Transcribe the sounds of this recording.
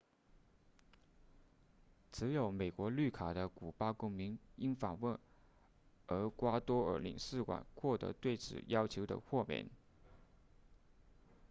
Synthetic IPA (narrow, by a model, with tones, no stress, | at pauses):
t͡sʰɹ̩˧˥jo˨˧˥ʊme˨˩ɪkwɔ˧˥ly˥˩kʰa˨˩d̪ə˦ku˨˩pa˥kʊ˥ŋmi˧˥ni˥ŋfaɑ˨˩ŋwə˥˩n | ə˞˧˥kwa˥t̪wɔ˥ə̰˞˧˥lḭ˨˩ŋsɹ̩˥˩kwa̰˨˩nxwɔ˥˩t̪ɤ̰˧˥t̪we˥˩ɪt͡sʰɹ̩̰˨˩jɑ˥ʊt͡ɕʰjo˧˥ʊd̪ə̰˧xwɔ˥˧mjɛ̰˧˥˦n